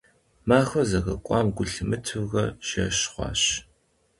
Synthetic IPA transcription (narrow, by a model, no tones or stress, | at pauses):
maːxɐzɐɣɐ̰kʷʼɑːmɡʷʊɬɨmɨtʰɨvɣɐʃɐɕχʷɑ̰ːɕ